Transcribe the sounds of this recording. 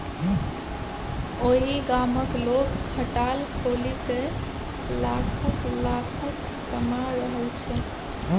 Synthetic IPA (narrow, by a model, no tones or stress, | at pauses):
oɦiɡaməklokkʰəʈalkʰolike | lakʰəklakʰək | t̪əmaɾəɦəlt͡ʃʰɛ